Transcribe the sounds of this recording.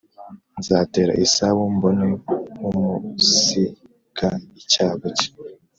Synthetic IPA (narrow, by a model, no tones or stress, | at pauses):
nzaːte̞ːɾa̰ʔisawumbonewumusi | kʰaicaːβoci̥